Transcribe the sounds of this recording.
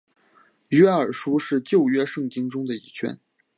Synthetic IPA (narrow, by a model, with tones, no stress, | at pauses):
ɥɛ˥ə˞˨˩ʂu˥ʂɻ̩˥˧t͡ɕjo˥˧ʊɥɛ˥ʂɤ˥˩ŋt͡ɕi˥ŋʈ͡ʂʊ˥ŋd̪ə˨i˨˩t͡ɕʰɥɛ̰˥n